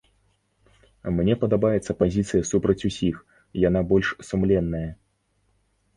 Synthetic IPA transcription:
mnʲɛpɐd̪abajɛt̪sːɐpazʲit̪sɨjɐsupɾɐt͡sʲusʲix | jan̪abɔlʲʂsumlʲɛnːɐjɐ

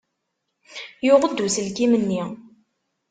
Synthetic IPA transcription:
jʊʁˤəd̪ːusəlkimənːi

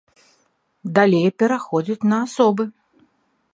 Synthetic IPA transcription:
d̪alʲejpʲɛɾaxɔd͡zʲit͡sʲnɐːsɔbɨ

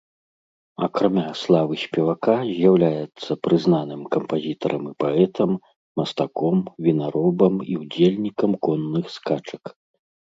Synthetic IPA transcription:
ɐkɾamʲaslˠavɨsʲpʲɛvakazʲjawlʲajɛt̪sːɐpɾɨznanɨmkɐmpazʲit̪ɐɾʔɐmɨpaɛt̪ʰɐmː | ɐst̪akɔmvʲinaɾɔbɐmiwd͡zʲelʲnʲikɐmkɔnːɨxskat͡ʂɐk

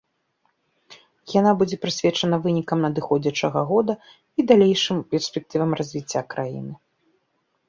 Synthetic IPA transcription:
janabud͡zʲɛpɾɨsʲvʲɛt͡ʂɐnɐvɨnʲikɐmnɐd̪ɨxɔd͡zʲɐt͡ʂɐɣɐɣɔd̪ɐ | id̪alʲejʂɨmpʲɛrsʲpʲɛk̚t̪ɨvɐmrazʲvʲit͡sʲːakɾʔajḭnɨ

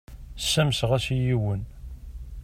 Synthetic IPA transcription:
sːæmsʁæsijiwən

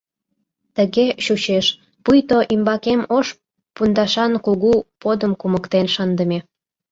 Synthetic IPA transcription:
t̪əɣeɕut͡ɕeʃ | pujt̪oʔimbɑkemoʃ | pund̪ɑʃɑnkuɣupod̪əmkuməkt̪enʃɑnd̪ə̆mʲe

